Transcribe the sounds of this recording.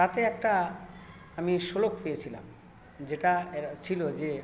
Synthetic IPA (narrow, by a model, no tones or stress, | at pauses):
t̪at̪eɛk̚ʈa | amiʃolokpejet͡ɕʰila̰m | d͡ʑeʈaet͡ɕʰilod͡ʑe